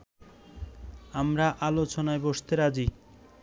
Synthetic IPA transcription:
amɾaʔalot͡ɕonaeboʃt̪eɾad͡ʑi

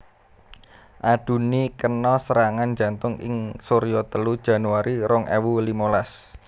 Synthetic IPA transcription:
ʔaɖ̪̥ṳnikənɔsəɾaŋand͡ʒa̤nt̪ʊŋɪ̰ŋsoɾijɔt̪əlud̥ʒ̥a̤nuaɾiɾɔŋʔɛwulimolas

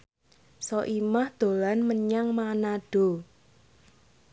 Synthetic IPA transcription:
sɔʔimahd̪̥o̤lanməɲaŋmanaɖ̥o̤

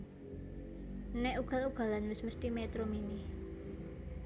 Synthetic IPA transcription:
nɛuɡ̥a̤luɡ̥a̤lanwɪsməst̪imet̪ɾominɪh

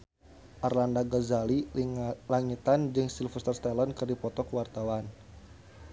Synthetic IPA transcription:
ʔarlandaɡazalilaŋit̪and͡ʒɨŋsilfəst̪ərst̪alɔnkɨrdipɔt̪ɔkəwart̪awan

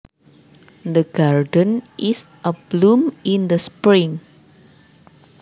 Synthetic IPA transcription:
d̪əɡardə̃nʔis | ʔəblumind̪əspɾĩŋ

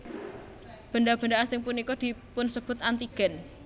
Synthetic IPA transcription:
b̥ə̤ndab̥ə̤ɳdaasɪŋpunikɔd̪̥i̤pʊnsəb̥ʊ̤t̪ant̪iɡ̥ɛ̤n

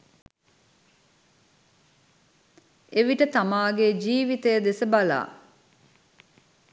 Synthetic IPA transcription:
eʋiʈət̪amaːɡed͡ʒiːʋit̪əjəd̪esəbala̰ː

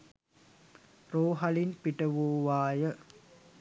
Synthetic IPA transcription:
roːɦalinpiʈəʋoːʋaːjə

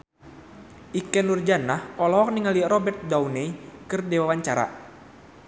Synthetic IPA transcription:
ʔikɛnurd͡ʒanahɔlɔɦɔk̚niŋaliɾɔbɛrt̪̚daunɛikɨrdewawaɲt͡ʃaɾa̰

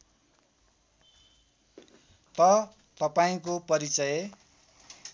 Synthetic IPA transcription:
t̪ʌ | t̪ʌpaĩkopʌɾit͡sʌje

